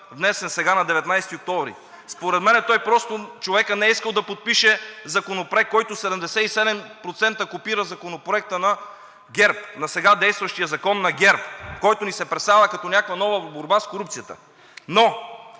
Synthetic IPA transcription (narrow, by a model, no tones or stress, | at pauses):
vnɛsɛnsɛɡanɐd̪ɛvɛt̪najsɛt̪iok̚t̪ɔvɾḭ | spoɾɛd̪mɛnɛt̪ɔjpɾɔst̪ot͡ʃovɛkənɛɛiskəlˠd̪ɐpot̪̚piʃɛzɐkonopɾoɛk̚kːɔjt̪ʊsɛd̪ɛmd̪ɛsɛisɛd̪ɛmpɾot̪sɛnt̪əkopiɾəzɐkonopɾoɛk̚t̪ənɐ | ɡʲɛɾp̚nɐsɛɡad̪ɛjst̪vɐʃt̪ijəzɐkɔnːɐɡʲɛɾpkɔjt̪ʊnisɛpɾɛt̪st̪avəkɐt̪ɔnʲakvɐnɔvəboɾbaskoɾup̪̚sijət̪ə̰ | no